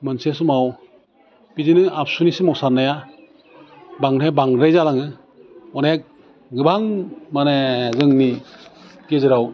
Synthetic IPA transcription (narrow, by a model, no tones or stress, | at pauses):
mɯnsesumaw | pizinɯap̚sunisimawsaɾnaja | baŋɾebaŋɾajzalaŋɯ | ɔnek̚ | ɡɯbaŋmanezɯŋni | tiezɯɾaw